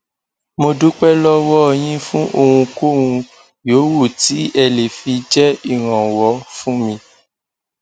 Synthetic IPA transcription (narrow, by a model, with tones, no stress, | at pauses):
mo˧du˨˦k͡pɛ˦lɔ˦wɔ˦˧˨j̃ĩ˦fũ˦ʔo˧wũ˧ko˦˨wũ˧ | joː˨˦wo˦˨ti˨˦ɛ˧˨le˨fi˧d͡ʒɛ˦i˦˨ɾ̃ã˨wɔ˨˦fũ˦mĩ˧